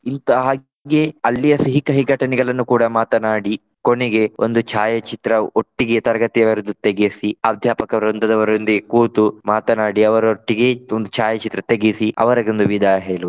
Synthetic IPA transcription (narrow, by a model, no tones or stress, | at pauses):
int̪ɐɦaː | ɡeɐlːijɐsiɦikɐɦiɡʱɐʈɐnɛɡɐɭɐnːukuːɽɐmaːt̪ɐnaːɽi | koneɡe̞ond̪ut͡ʃʰaːjɐt͡ʃit̪ɾɐoʈːiɡet̪ɐɾɐɡɐt̪ijɐʋɐɾud̪ut̪eɡisiɐːd̪ʱjaːpɐkɐʋɐɾont̪ɐd̪ɐʋɐɾond̪iɡekuːt̪umaːt̪ɐnaːɽiɐʋɐɾoʈːiɡeond̪ut͡ʃʰaːjɐt͡ʃit̪ɾɐt̪eɡisiɐ̰ʋɐɾɐɡond̪uʋid̪ajɦeːlu